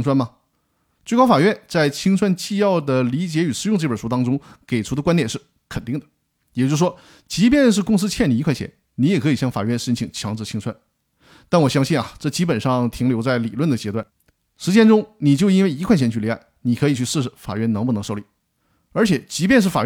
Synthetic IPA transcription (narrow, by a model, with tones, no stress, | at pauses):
ŋt͡sʰwa˥nmɐ˨ | t͡swe˥˩ɪkɑ˥ʊfa˨˩ɥɛ˥˧nt͡sa˥˩ɪt͡ɕʰi˥ŋt͡sʰwa˥nt͡ɕi˥˧jɑ˥˩ʊd̪ə˩li˧˥t͡ɕjɛ˧˥y˨˩ʂɻ̩˥˧jʊ˥˧ŋʈ͡ʂɤ˥˩pə˞˨˩ʂu˥t̪ɑ˥ŋʈ͡ʂʊ˥ŋke˨˩ɪʈ͡ʂʰu˧˥d̪ə˧kwa˥nt̪jɛ˨˩nʂɻ̩˥˩ | kʰə˨˩nt̪i˥˩ŋd̪ə˩ | jɛ˨˩t͡ɕjo˥˩ʂwɔ˥ | t͡ɕi˧˥pjɛ˥˧nʂ̬ɻ̩˥˩kʊ˥˧ŋs̬ɹ̩˥t͡ɕʰɛ˥˩nli˨˥˩kʰwa˥˩ɪɕʰɛ̰˧˥n | ni˧˥jɛ˨˩kʰɤ˧˥i˨˩ɕjɑ˥˩ŋfa̰˨˩ɥɛ˥˧nʂə˥nt͡ɕʰi˨˩ŋt͡ɕʰjɑ˧˥ŋʈ͡ʂ̩ʰ˧˩i˥ŋt͡sʰwa˥n | t̪a˥˩nwɔ˨˩ɕjɑ˥ŋɕi˥˩nɐ˩ʈ͡ʂɤ˥˩t͡ɕi˥pə˨˩nʂɑ˥˧ŋt̪ʰi˧˥ŋljo˧˥ʊt͡sa˥˩ɪli˨˩lwə˥˩nd̪ə˩t͡ɕjɛ˧˥t̪wa˥˩n | ʂɻ̩˧˥t͡ɕjɛ˥nʈ͡ʂʊ˥ŋni˨˩t͡ɕjo˥˧ʊi˥nwe˥˩ɪi˧˥kʰwa˥˩jɛ˧˥nt͡ɕʰy˥˩li˧˥a˥˩ɪni˨˩kʰɤ˧˥i˨˩t͡ɕʰy˥˧ʂ̩˥˩ʂɻ̩˥˩fa̰˨˩ɥɛ˥˧nnɤ˧˥ŋp̬u˥˩˧ŋʂo˥˧ʊli˥˩ | ə˞˧˥t͡ɕʰjɛ˨˩˦t͡ɕi˧˥p̬jɛ˥˧nʂɻ̩˥˩fa˨˩ɥ